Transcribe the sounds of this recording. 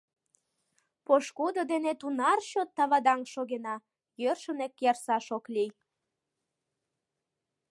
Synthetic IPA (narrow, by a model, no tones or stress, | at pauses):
poʃkud̪od̪enet̪unɑrɕot̪ːɑβɑd̪ɑŋʃoɣenɑ | jørʃənekjɑrsɑʃoklʲij